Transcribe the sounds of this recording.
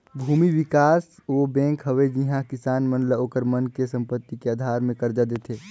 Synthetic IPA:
bʱuːmiʋɪkaːsʋobɛ̃ːŋkɦəʋed͡ʒiɦãkɪsaːnmə̃nləoːkəɾmənkesə̃mpət̪ːikeaːd̪ʱaːɾmẽkɐɾd͡ʒad̪et̪ʰeː

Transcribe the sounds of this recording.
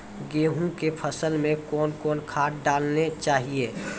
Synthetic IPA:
ɡeːɦũkepʰəsəlmẽkɔːnkɔːnkʰaːʈ̚ɖaːlnet͡ʃaːɦieː

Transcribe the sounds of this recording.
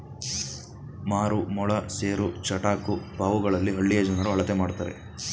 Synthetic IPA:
maːɾumɔɭɐseːɾut͡ʃɐʈaːkupaːʋuɡɐɭɐlːiɦɐɭːijɐd͡ʒɐnaɾuɦɐɭɐt̪emaːɽt̪aːɾḛ

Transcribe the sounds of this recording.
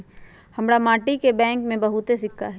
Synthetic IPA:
hɐmɽamaːʈikebɛ̃ːŋkmẽbɐɦʊt̪esɪkʰːaɦɛ

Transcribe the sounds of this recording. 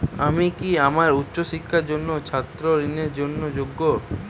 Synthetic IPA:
amikiamaɾutːɕoʃikʰːaɾd͡ʑonːot͡ɕʰat̪ːɾoɾineɾd͡ʑonːod͡ʑoɡːo

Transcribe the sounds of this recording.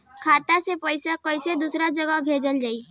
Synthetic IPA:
kʰaːt̪asepəɪsakəɪsed̪usɾad͡ʒəɡəɦbʱeːd͡ʒəld͡ʒaːi

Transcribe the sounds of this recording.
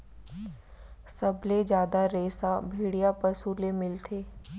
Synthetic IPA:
sɐbled͡ʒjaːd̪aɾeːsabʱeːɽijapɐɾsuːlemɪlt̪ʰeː

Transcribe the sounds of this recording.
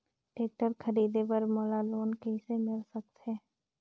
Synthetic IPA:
ʈeːk̚ʈəɾkʰəɾiːd̪epəɾmoːlaloːnkeɪsemɪlsək̚t̪eː

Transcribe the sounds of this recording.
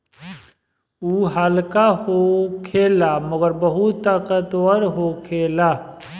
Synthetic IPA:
uːɦaːlkahokʰeːlaməɡəɾbəɦut̪t̪ːaːkət̪wəɾɦokʰeːlaː

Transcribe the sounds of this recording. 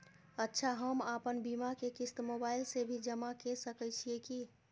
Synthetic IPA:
ətːʃʰaɦəmapənbimakekist̪mobailsebʱid͡ʒəmakesəkɛt͡ʃʰieki

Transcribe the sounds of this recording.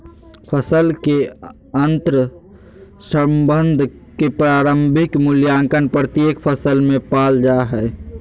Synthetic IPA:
pʰəsəlke | ənt̪ɾ | səmbə̃nd̪ʱ | kepɾaːɾəmbʱɪkmʊljaːŋkənpɾət̪jeːkpʰəsəlmẽpaːld͡ʒaɦɛː

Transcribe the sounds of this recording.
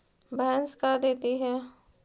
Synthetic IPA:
bɛənskad̪eːt̪iɦɛː

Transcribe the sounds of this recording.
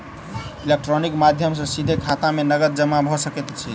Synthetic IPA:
ilek̚ʈɾonikmad̪ʱjəmsə̃sid̪ʱekʰat̪amenəɡət̪̚d͡ʒəmːabʱɔsəkɛt̪t͡ʃʰi

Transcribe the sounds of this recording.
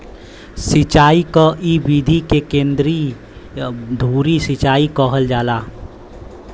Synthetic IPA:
sɪt͡ʃaːikaʔibiːd̪ʱikekẽːnd̪ɾi | d̪ʱuːɾisɪt͡ʃaːikɔɦəld͡ʒaːlaː

